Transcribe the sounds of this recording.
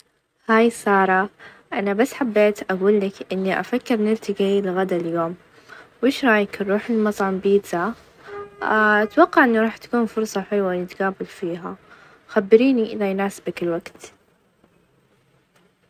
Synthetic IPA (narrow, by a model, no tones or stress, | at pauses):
haːjsˤɑːɾˤɑ | ʔanabasːħabːeːt̪ʔaɡuːlːakʔɪnːiʔa̰fakːɪɾnɪɾt̪ɪɡiːlɣad̪aljoːm | wʔɪːʃɾˤɑːjɪkrˤːuːħɪlmɑt̪ˤʕɑmbiːt̪a | ʔat̪wɑqːɑʕʔɪnːiɾˤɑːħt̪ḁkuːnfʊɾsˤɑħɪlwanɪt̪ɡaːbɪlfiːɦa | xabːɪɾiːniʔɪ̰ðajnaːsɪ̥bakɪlwaɡt̪